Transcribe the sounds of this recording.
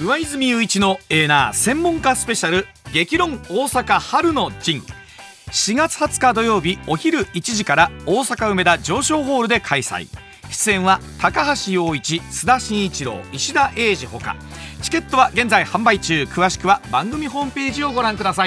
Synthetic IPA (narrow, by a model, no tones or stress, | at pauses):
ɯ̟βaizɨmʲiɯ̟it͡ɕino̞e̞ːna̰ːsẽ̞mːõ̞ŋkasɨ̥pe̞ɕaɾɯ̟ | ɡe̞kʲiɾõ̞ŋoːsakahaɾɯ̟no̞d͡ʑĩŋ | ɕiɡat͡sɨ̥hat͡sɨ̥kad̪o̞jo̞ːbʲio̞çiɾɯ̟it͡ɕiʑikaɾaoːsakaɯ̟me̞d̪ad͡ʑo̞ːɕo̞ːɦo̞ːɾɯ̟d̪e̞kʰaisa̰ḭ | ɕi̥t͡sɨẽ̞ɰ̃βat̪akaɦaɕijo̞ːit͡ɕisɨd̪aɕĩɰ̃it͡ɕiɾo̞̰ːiɕid̪aʔe̞ːʑiho̞̰ka̰ | t͡ɕi̥ke̞t̪ːo̞βaɡe̞nd͡zaihãmbait͡ɕɨːkɯ̟βaɕi̥kɯ̟βabãŋɡɯ̟mʲiɦo̞ːmɯ̟pe̞ːʑio̞ɡo̞ɾãŋkɯ̟d̪asai